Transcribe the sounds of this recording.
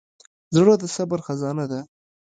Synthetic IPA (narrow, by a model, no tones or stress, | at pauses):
zɽot̪asabaɾxazɑnad̪a